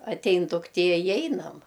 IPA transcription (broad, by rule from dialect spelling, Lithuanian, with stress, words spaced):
ɐtʲˈɛɪn dʊkˈtʲiɛ ɪ ˈɛɪnɐm